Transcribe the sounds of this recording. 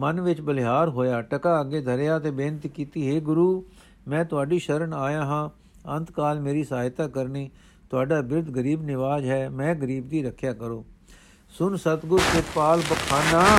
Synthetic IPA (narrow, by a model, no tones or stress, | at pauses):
mənʋɪt͡ʃbəlɦaːɾɦoːjaːʈəkaːəɡeːd̪ʱəɾjaːt̪eːbeːnt̪ikiːt̪iːɦeːɡʊɾuː | mɛ̃ːt̪ʊaːɖiːʃəɾəɳaːjãːɦãː | ə̃nt̪kaːlmeːɾiːsəaːjt̪aːkəɾniː | t̪ʊaːɖaːbɪɾd̪ɡəɾiːbnɪʋaːd͡ʒɦɛːmɛ̃ːɡəɾiːb̚d̪iːɾəkʰjaːkəɾoː | sʊnsət̪ɡʊɾt̪ɪt̪paːlbəkʰːaːnaː